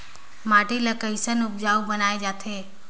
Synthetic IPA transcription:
maːʈilɐkəɪsənʊp̚d͡ʒaːubənaːed͡ʒaːt̪ʰeː

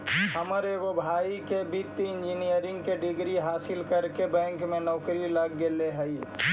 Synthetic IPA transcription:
ɦəməɾeʋobʱaːikebit̪ːɪ̃nd͡ʒinijəɾɪ̃ŋɡkeɖɪɡɾiɦaːsɪlkəɾkebɛ̃ːŋkmẽnɔːkɾiləɡːeleɦɛi

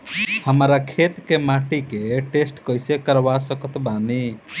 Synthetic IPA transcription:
həmɾakʰet̪kemaʈikeʈesʈkəjsekəɾbasəkət̪bani

